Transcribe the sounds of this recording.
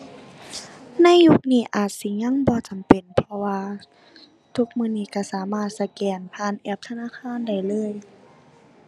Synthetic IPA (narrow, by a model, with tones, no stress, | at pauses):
na˧˥˨jju˧˥k̚niː˧˩ʔaː˨˩t̪̚si˨˦ŋɲa˧˥˨ŋbɔː˧˦t͡ɕa˨˩mpe˨˩npʰɔ˧waː˧ | t̪ʰu˧˥k̚mɯː˧˥˨niː˧˩ka˧˩saː˩˦maː˧˩t̪̚sa˧kɛː˨˩npʰaː˧˥˨nʔɛ˧˩p̚t̪ʰa˧naː˧˥˨kʰaː˧˥˨nda˧˩jlɤː˧˥˨j